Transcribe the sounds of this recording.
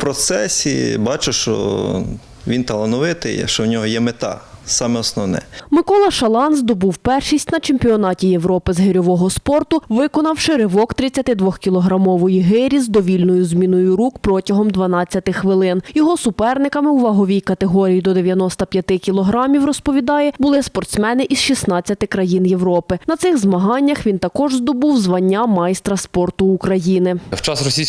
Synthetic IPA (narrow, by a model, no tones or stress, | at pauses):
pɾɔt̪sɛsʲḭbɑt͡ʃʊʃt͡ʃɔ̰ | ʋʲint̪ɐlˠɐnɔʋɪt̪ɪ̰ʃt͡ʃɔwnʲɔɦɔjɛmet̪ɑ̰sɑmɛɔsnɔwnɛ̰mɪkɔlˠɐʃɐlˠɑnzd̪ɔbuwpɛrʃisʲtʲnɐt͡ʃemʲpʲiɔnɑtʲijeʋɾɔpɪzɦɪɾʲɔʋɔɦɔspɔrt̪ʊʋɪkɔnɐwʃɪɾɪʋɔkt̪ɾɪt͡sʲːɐt̪ɪd̪ʋɔxkʲilˠɔɦɾɐmɔʋɔjiɦɪɾʲizd̪ɔʋʲilʲnɔjʊzmʲinʊjʊɾukpɾɔtʲɐɦɔmd̪ʋɐnɑt͡sʲːɐt̪ɪxʋɪlˠɪnjɔɦɔsʊpɛrnɪkɐmɪwʋɐɦɔʋʲijkɐt̪eɦɔɾʲijid̪ɔd̪e̞ʋʲjɐnɔst̪ɐpʲjɐt̪ɪkʲilˠɔɦɾɑmʲiwrɔspɔʋʲid̪ɑjɛbʊlˠɪspɔrt̪smɛnɪʔiz̥ʃisnɑt͡sʲːɐt̪ɪkɾɐjinjeʋɾɔpɪnɐt̪sɪɣzmɐɦɑnʲːɐxʋʲint̪ɐkɔʒzd̪ɔbuwzʋɐnʲːamɑjst̪ɾɐspɔrt̪ʊːkɾɐjinɪwt͡ʃɑsrɔsʲis